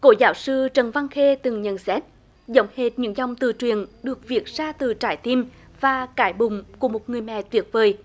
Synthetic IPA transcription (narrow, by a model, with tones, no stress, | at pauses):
ko˧˦zaː˧˦wsɨ˧t͡ɕə˨˩nva˧ŋxe˧t̪ɨ˨˩ŋɲə̰˧˨nsɛ˦˥t̚ | zə˧˦wŋ͡mhe˨˩t̚ɲɨ̰˧˥ŋzɔ˨˩wŋ͡mt̪ɨ̰˧˨t͡ɕwi˨˩ənɗɨ˨˩ək̚vi˨˩ət̚z̥aː˧t̪ɨ˨˩t͡ɕaː˧˩jt̪i˧m | vaː˨˩kaː˧˦jɓʊ˧˨ŋ͡mku˧˩əmo˨˩t̚ŋɨ˨˩əjmɛ̰˧˨t̪wi˨˦˥ət̚vəː˨˩j